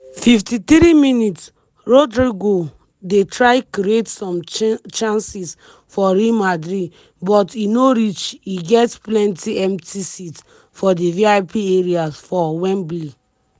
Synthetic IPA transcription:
fiftit̪ɾiminits | ɹodɹiɡo | detɹajkɾietsɔ̃mt͡ʃãnsis | fɔɾimadɾi | bɔtinoɾit͡ʃiɡɛtplɛ̃ntiɛ̃mtʰisit | fɔdiviapieɹiasfɔwɛ̃nblil

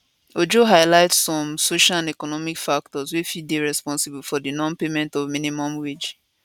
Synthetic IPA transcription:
od͡ʒoɦaɪlaɪtsɔ̃msoʃalãnɛkɔnɔmikfak̚tɔzwifideɹɛspɔ̃nsibulfɔdinɔ̃npemɛ̃ntɔvmĩnimɔ̃mwed͡ʒ

